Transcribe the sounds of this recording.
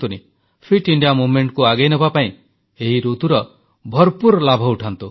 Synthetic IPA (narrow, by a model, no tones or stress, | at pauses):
t̪uni | pʰiʈiɳɖijamumeɳʈkuaɡejnɔbapaĩ | eɦiɾut̪uɾɔ | bʱɔɾpuɾɔlabʱɔuʈʰant̪u